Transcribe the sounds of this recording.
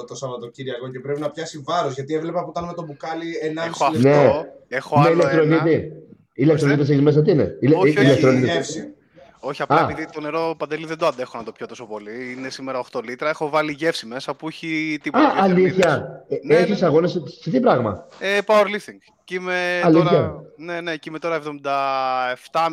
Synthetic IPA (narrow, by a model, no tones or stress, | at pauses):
t̪osɐvɐt̪ociɾiɐko̞ce̞pɾe̞pinɐpçɐsivɐɾozʝɐt̪ievle̞pɐpot̪ɐnme̞t̪o̞bukɐlienɐislnneexoneilekt̪ɾo̞nit̪i | ilek̚t̪ɾonit̪is̬eçizmes̬ɐt̪̬iinḛiilek̪ɾo̞nit̪fsi | oçiɐpɐepiðit̪oneɾopɐnd̪eliðend̪oɐnd̪e̞xonɐt̪opçot̪o̞so̞po̞liinesimeɾɐoxt̪o̞lit̪ɾɐexo̞vɐliʝe̞fsime̞sɐpuuçit̪ipɐʔːliθçɐeneçisɐɣo̞nessiθipɾɐɣmɐ̰epaweɾlifθiŋɡ | cimeɐliθçɐnenecimet̪o̞ɾɐevðomind̪ɐeft̪ɐ